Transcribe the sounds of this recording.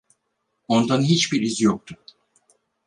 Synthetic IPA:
ont̪ʰanɯɦit͡ʃbiɾizjok̚t̪ʰʊ

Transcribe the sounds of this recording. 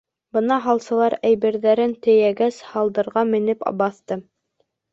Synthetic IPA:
bɤnɑɦɑlˠsɤ̆lˠɑɾæjβɘ̆ɾðæɾɘnt̪ɘ̆jæɡæshɑlˠd̪ɤ̆ɾʁɑmɘ̆nɘpbɑθt̪ɤ

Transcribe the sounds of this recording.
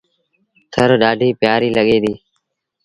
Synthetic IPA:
t̪ʰəɾɗaːɖʱiːpjaːɾiːləɠeːd̪iː

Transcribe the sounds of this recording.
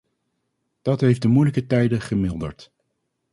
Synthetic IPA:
d̥ɑtɦejfdəmujləkətɛjdəχəmɪlˠdə̰ɹt

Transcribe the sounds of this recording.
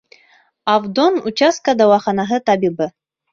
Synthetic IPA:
avd̪onut͡ɕɑst̪̚kad̪ɑwɑχɑnɑɦɤt̪ɑbibɤ

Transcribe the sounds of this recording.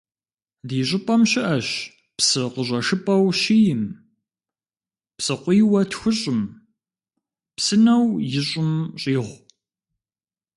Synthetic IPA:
diːɕʼɪpʼɐmɕɪʔɐɕ | psɨqəɕ̬ʷʼɐʂɨpʼɐwɕijɪm | psɨqʷiːwɐtxʷʊɕʼɪm | psɨnɐwjɪɕʼɪmɕʼiːʁʷ

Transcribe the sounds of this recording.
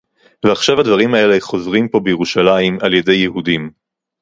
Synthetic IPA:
veaχʃavhad̪vaʁimae̞leχo̞zʁimpo̞bejeʁuʃalajimalje̞de̞jːeɦudim

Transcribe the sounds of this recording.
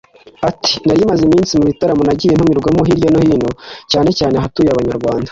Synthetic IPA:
ati̥naɾimazimiːnsimuβitaɾamonaɟijen̥humiɾɡwamoɦiɾjonohiːnocaːne̞caːne̞ɦatuːjaβaɲaɾɡwaːndḁ

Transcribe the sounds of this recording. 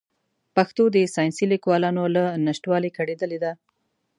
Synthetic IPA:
paxt̪od̪əsɑjnsilikwɑlɑnolanaʃʈwɑlikʰaɽed̪əled̪a

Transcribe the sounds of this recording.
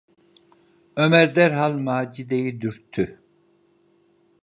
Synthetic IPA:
ømɛɾd̪ɛɾɦalˠmaːd͡ʒid̪ejid̪yɾt̪ʰːy

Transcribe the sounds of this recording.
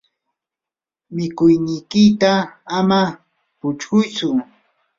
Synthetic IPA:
mɪkʊjnɪjkɪt̪aama | pʊt͡ʃɢʊjt͡sʊ

